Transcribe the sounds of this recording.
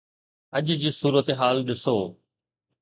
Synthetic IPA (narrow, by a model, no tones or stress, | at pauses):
əʄd͡ʑiːsuːɾət̪ɦaːlɗɪsoː